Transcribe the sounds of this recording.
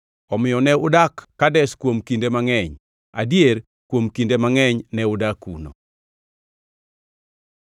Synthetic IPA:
ɔmɪjɔnɛʊdakːadɛskwomkindemaŋɛɲ | a̰djeɾ | kwomkindemaŋɛɲnɛʊdakṵno̰

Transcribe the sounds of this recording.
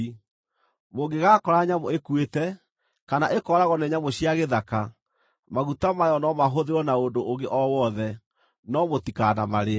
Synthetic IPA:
moɡeɣaːkɔɾaɲamoekwetɛ | kanaʔekɔɾaɣɔnɛɲamoɕiaɣeðaka | maɣutamajɔnɔmaɦoðeɾwɔnaondoʔoŋɡeʔɔwɔðɛ | nɔmotikanamaɾe

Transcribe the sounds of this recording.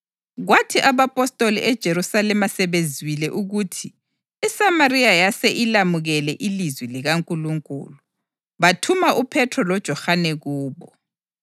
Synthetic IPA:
ɣwatʰiʔaβapʼɔstʼolḭʔɛd̥ʒ̥ʱeɾusalɛmasɛβenzʱwilɛʔuɣutʰi | isamaɾiajasɛʔilamuɣɛlɛʔilizwiliɣaŋkʼuluŋkʼṵːlu | βatʰumaʔupʰɛtʰrɔlɔd̥ʒ̥ʱɔxanɛɣuːβɔ

